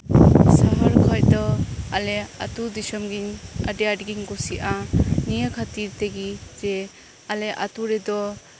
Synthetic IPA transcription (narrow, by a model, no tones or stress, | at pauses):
saɦaɾkʰaj̚dɔalea̰tudisɔmɡina̰dijaɾɡiŋɡɔsiʔanijakʰatiɾteɡize | aleʔa̰tuɾedɔ